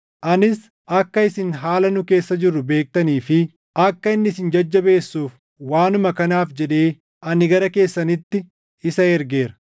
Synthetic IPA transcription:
ʔɐnɪs | ɐkːɐɪsɪnɦaːlɐnʊke̞ːsːɐd͡ʒɪrːʊbe̞ːk̚t̪ɐniːfɪ | ʔɐkːɐɪnːɪsɪnd͡ʒɐd͡ʒːɐbe̞ːsːuːf | waːnʊmɐkɐnaːfd͡ʒɛᶑe̞ː | ʔɐnɪɡɐɾɐke̞ːsːɐnɪt̪ːɪ | ɪsɐɛɾɡe̞ːɾɐ̥

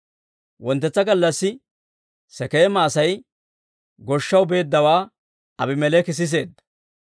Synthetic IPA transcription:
wɔnt̪ːɛt͡sːɐɡɐlːɐsːɪ | sɛkeːmaːsɐj | ɡɔʃːɐwbe̞ːd̪ːɐwaː | ɐ̰bɪmɛlɛkɪs̬ɪs̬e̞ːd̪ːɐ̥

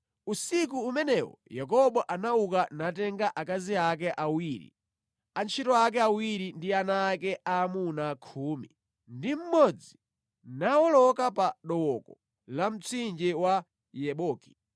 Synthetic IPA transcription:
usik̬uːmɛnɛwɔ̰jak̬ɔɓɔʔanaukanatɛŋɡaʔakaziak̬ɛʔawiɾḭ | ant͡ʃʰitɔak̬ɛawiɾindianaːkɛʔamunakʰuːmi | ndim̩mɔd͡zi | nawɔlɔkapaɗɔwɔkɔ | lam̩t͡sʰind͡ʒɛwa | jɛɓɔːki̥

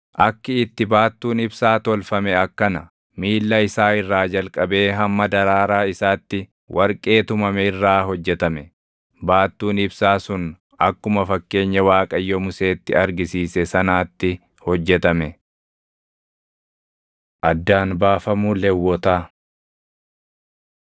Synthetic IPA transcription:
ʔɐkːɪɪt̪ːɪbaːt̪ːuːnɪbsaːt̪ɔlfɐmɛɐkːɐnɐ | miːlːɐɪsaːɪrːaːd͡ʒɐlkʼɐbe̞ːɦɐmːɐd̪ɐɾaːɾaːɪsaːt̪ːɪ | wʔɐɾkʼe̞ːt̪ʊmɐmɛɪrːaːɦɔd͡ʒːɛt̪ɐmɛ | baːt̪ːuːnɪbsaːsʊn | ɐkːʊmɐfɐkːe̞ːɲːɐwaːkʼɐjːɔmʊse̞ːt̪ːɪɐɾɡɪsiːsɛsɐnaːt̪ːɪ | hɔd͡ʒːɛt̪ɐmɛ | ʔɐd̪ːaːnbaːfɐmuːlɛwːɔt̪aː

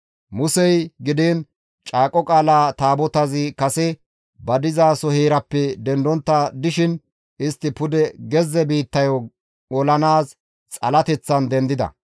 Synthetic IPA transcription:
mʊsɛjɡɪd̪eːn | t͡ʃʼaːkʼːɔkʼaːlaːt̪aːbɔt̪ɐzɪkɐsɛ | bɐd̪ɪzaːsɔheːɾɐpːɛd̪ɛnd̪ɔnt̪ːɐd̪ɪʃɪn | ɪst̪ːɪpʊd̪ɛɡɛzːɛbiːt̪ːɐjɔ | ɔlɐnaːs | t͡sʼɐlɐt̪ɛt͡sːɐnd̪ɛnd̪ɪd̪ɐ̰

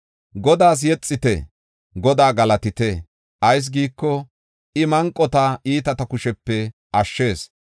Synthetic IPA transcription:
ɡɔd̪aːs̬jɛt͡sʼːɪt̪ɛ̰ | ɡɔd̪aːɡɐlɐt̪ɪt̪e | ʔɐjs̬ɡiːkːɔ | ʔɪmɐŋkʼːɔt̪aʔiːt̪ɐt̪ɐkʊʃɛpːɛ | ʔɐʃːe̞ːs

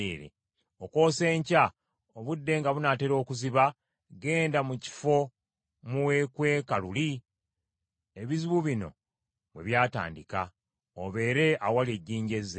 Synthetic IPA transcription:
eɾḛ | oko̞ːse̞ːɲca | oβudːe̞ŋɡaβunateɾo̞ːkuziβa | ɡe̞ːndamuci̥fo̞ | muwe̞kwe̞ːkaluli | e̞βiziβuβino̞̰ | βwe̞̰βjaːta̰ːndika | oβe̞ːɾeʔawaleɟːiːɲɟe̞ze

